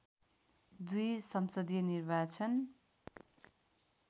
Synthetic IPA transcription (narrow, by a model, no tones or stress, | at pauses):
d̪ujsʌmsʌd̪ijʌnirbat͡sʰʌn